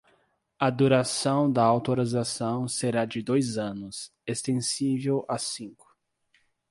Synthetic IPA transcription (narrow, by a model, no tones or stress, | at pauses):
ɐd̪uɾasɐ̃w̃d̪ɐawt̪oɾizasɐ̃w̃seɾad͡ʒɪd̪ojzɐ̃nʊs | est̪ẽsivewʔasĩŋkʊ̥